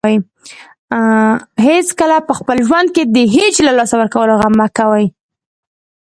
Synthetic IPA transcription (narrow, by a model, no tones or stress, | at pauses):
j | ɦeskəlapəxpəlʒwand̪̚ked̪əɦet͡ʃlalɑsawəɾkawəloɣamakawaj